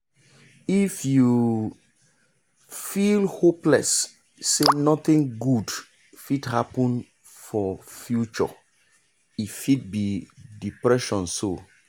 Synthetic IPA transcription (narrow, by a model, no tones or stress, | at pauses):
ifju | filhoplɛ̰sː | enɔθĩŋɡud | fidhapɔ̃n | fɔfjut͡ʃɔ̰ | itfit̚bidipɹɛʃɔ̃nso